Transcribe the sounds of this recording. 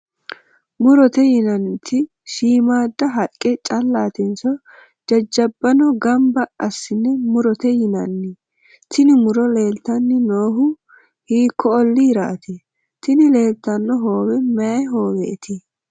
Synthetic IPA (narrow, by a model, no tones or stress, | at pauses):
mʊɾɔt̪ɛjɪnɐnt̪ʰɪ | ʃiːmaːd̪ːɐɦɐkʼːɛt͡ʃʼɐlːaːt̪ɛnsɔ | d͡ʒɐd͡ʒːɐbːɐnɔɡɐmbɐɐsːɪnːɛmʊɾɔt̪ɛjɪnɐnːɪ | t̪ɪnɪmʊɾɔle̞ːlt̪ɐnːɪnoːɦʊ | hiːkʰːɔːlːɪɪɾa̰ːt̪ɛ | t̪ɪnɪle̞ːlt̪ːɐnːɔɦo̞ːwɛmɛɛɦo̞ːwɛːt̪ɪ